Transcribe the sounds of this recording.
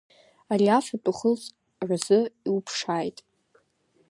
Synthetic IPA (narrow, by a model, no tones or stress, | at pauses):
aɾiafat͡pʼʊχət͡sʼ | razɨiupʰʂaːjtʼ